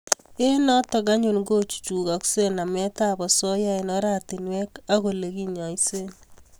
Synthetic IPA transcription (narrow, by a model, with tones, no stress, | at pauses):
e˦nɔ˦tɔ˨ɡa˦ɲu˦˨nɡo˦t͡ʃu̥˨t͡ʃu˨ɡa˨kse˦na˨mɛ˦ta˦bɔ˨sɔ˦ja˦inɔ˦ɾa˦˨ti˨nwɛ˦ka˦ɣo˨le˨ɡi˦ɲɔ˨i˦se˦n